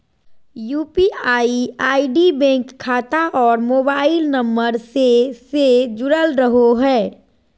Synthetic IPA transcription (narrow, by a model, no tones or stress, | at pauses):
juːpiaːiaːiɖibɛ̃ːŋkʰːaːt̪aʔɔːɾmoːbaːɪlnɐ̃mbəɾsesed͡ʒʊɽəlɾəɦoɦɛː